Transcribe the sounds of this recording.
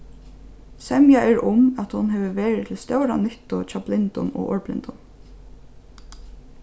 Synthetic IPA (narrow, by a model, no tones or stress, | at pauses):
sɛmjaʔɛɹʊmæt̪hʊnɦɛːʋəʋeːɹɪt̪ʰɪlst̪œwɾanʏht̪ʊt͡ʃaplɪnt̪ʊnɔ̰ʔɔːɹplɪ̰nt̪ʊm